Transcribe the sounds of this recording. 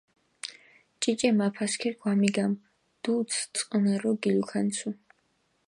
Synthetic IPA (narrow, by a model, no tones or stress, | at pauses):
t͡ʃʼit͡ʃʼɛmapʰaskʰɛɡʰwamiɡam | d̪̥ut̪sʰt̪sʼqʼɔnaɾɔɡilukʰansʰu